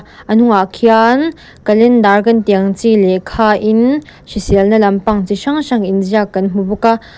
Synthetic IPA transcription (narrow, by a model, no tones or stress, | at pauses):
ʔənuŋaʔkʰian | kɐlɛndarkɐntiɐŋt͡silɛkʰaːʔin | ʃisilnɐlɐmpɐŋt͡siʃɐŋʃɐŋʔinziakɐnm̥ubuka